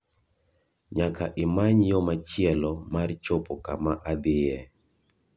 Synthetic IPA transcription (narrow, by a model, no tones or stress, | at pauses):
ɲakaʔɪmaɲjɔmat͡ʃjɛlɔmart͡ʃopɔkamaʔad̪ɪjɛ